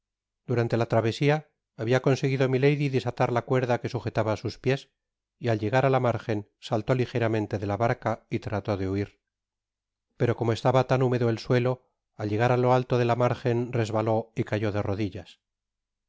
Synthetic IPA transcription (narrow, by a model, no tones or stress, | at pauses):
d̪̥uɾant̪e̞lat̪ɾaβ̞e̞siaː | βiako̞nse̞ɣiðomile̞jðiðisat̪aɾlakwe̞ɾðake̞suxe̞t̪aβaːsuspje̞s | ialʝe̞ɣaɾalamaɾxe̞nsalt̪o̞lixe̞ɾamẽ̞nt̪e̞ðe̞laβaɾkait̪ɾat̪o̞ðe̞uiɾ | pe̞ɾo̞ko̞moe̞st̪aβat̪anume̞ðoelswe̞lo̞ | alʎe̞ɣ̞aɾalo̞alt̪o̞ðe̞lamaɾxe̞nre̞zβalo̞ikaʝo̞ðe̞ro̞ðiʎas